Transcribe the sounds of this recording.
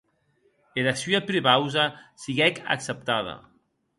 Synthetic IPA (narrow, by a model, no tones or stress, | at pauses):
eɾasyapɾeβawzasiɣɛka̰ksep̚t̪aða̰